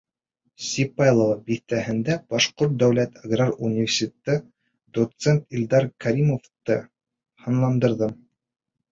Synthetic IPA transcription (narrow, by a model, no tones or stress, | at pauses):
sʲipajlˠovɑbiθt̪æɦɘ̆nd̪æb̥ɑʃqoɾt̪̚d̪æwlæt̪aɡrarunʲːivʲersʲɪt̪ʲt̪ɤ | d̪̥ot̪sent̪ilʲd̪ɑɾkaɾʲimoft̪ɤ | hɤ̆nlˠɑnd̪ɤ̆ɾðɤm